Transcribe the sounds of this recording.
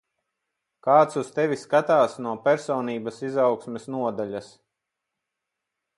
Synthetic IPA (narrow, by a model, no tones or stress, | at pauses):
kaːt̪sust̪ɛviskat̪aːsnuɔpɛɾsɔːniːbɐsizawksmɛsnuɔd̪alʲas